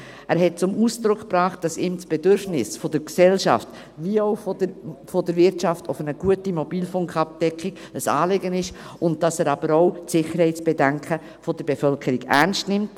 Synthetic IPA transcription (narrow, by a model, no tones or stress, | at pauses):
ʔæːɾɦɛt̚t͡sʊmuːsd̪ɾʊkʰpɾɑːχt̚d̥ɑsiːmsb̥ɛdøɾfnɪsfɔd̥əɾksɛlʃɑ̰ft | ʋiəoʊffɔdəɾvɪɾtʃɑftofənəɡ̥uətimɔbiːlfʊŋkʰɑp̚d̥ɛkχiɡ̥ | əsɑ̰ːlɪɡənɪʃʊnt̚d̥ɑsæːɾɑb̥əɾɔʊtsɪχəɾhɛɪt͡sb̥ɛdæŋkʰə | fɔd̥əɾbefœlkʰəɾiɡæ̰ɾnstnɪmt